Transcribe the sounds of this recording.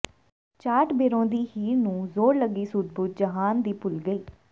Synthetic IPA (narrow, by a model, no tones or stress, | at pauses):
t͡ʃaːʈbeːɾõːd̪iːhiːɾnũːzoːɾləɡiːsʊd̪̚bʊt̪̚d͡ʒəɦaːnd̪iːpʊlɡəiː